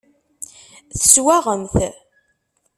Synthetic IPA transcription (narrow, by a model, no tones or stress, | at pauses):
θəswæʁəmθ